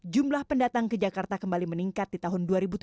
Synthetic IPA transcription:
d͡ʒumlahpəndat̪aŋkəd͡ʒakart̪akəmbaliməniŋkat̪̚dit̪aɦʊnduaɾibut̪

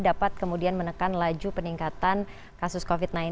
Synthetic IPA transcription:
dapat̪̚kəmudianmənəkanlad͡ʒupəniŋkat̪an | kasʊskofit̪̚nai

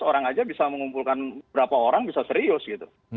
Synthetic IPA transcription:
oɾaŋad͡ʒabisaməŋumpulkanbəbɾapaoɾaŋbisasəɾiʊsɡit̪u

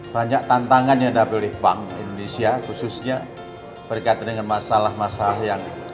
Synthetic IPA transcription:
b̥aɲaʔt̪ant̪aŋanjadapilɪhbaŋḭndonesiakususɲa | b̥ərkait̪̚dəŋanmasalahmasalahjaŋ

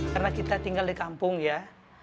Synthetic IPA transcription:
karnakit̪at̪iŋɡaldikampʊŋja

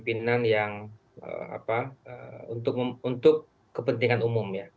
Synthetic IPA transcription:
pinanjaŋ | ə̰a̰paəunt̪ʊk̚unt̪ʊkː | əpənt̪iŋanumʊmja

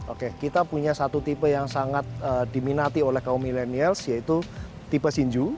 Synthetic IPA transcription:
ʔo̰kekit̪apuɲasat̪ut̪ipəjaŋsaŋat̪̚ədiminat̪iolɛhkaumilenialsjait̪u | t̪ipəsiɲd͡ʒu

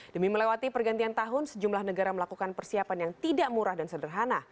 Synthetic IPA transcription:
dəmiməlewat̪ipərɡant̪iant̪aɦʊnsəd͡ʒumlahnəɡaɾaməlakukanpərsiapanjaŋt̪idaʔmuɾahdansədərɦana

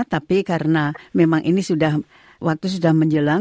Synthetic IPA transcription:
t̪apikaɾənamemaŋʔinisudah | wʔak̚t̪us̬udahməɲd͡ʒəla

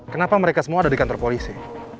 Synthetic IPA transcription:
kənapaməɾekasəmuaːdadikant̪ɔrpolisi

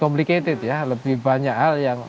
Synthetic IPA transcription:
kɔmpliket̪ɪt̪jaləbɪhbaɲakɦaljaŋ

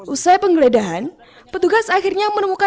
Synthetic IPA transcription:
ʔusajpəŋɡəledaɦan | pət̪uɡasaxirɲamənəmuka

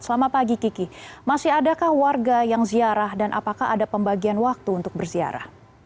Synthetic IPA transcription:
səlamapaɡikikimasɪɦadakahwarɡajaŋziaɾahdanʔa̰pakahadapəmbaɡianwak̚t̪uːnt̪ʊk̚bərzia̰ɾa̰h

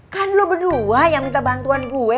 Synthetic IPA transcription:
kanlobəduajaŋmit̪abant̪uanɡuɛ

